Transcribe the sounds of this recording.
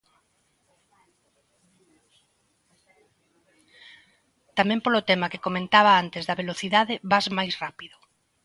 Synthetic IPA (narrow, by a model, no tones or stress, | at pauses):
t̪amɛ̃mpolot̪ɛmɐkekomẽnt̪aβaant̪ezðɐβeloθiðaðɪβazmajsrapiðʊ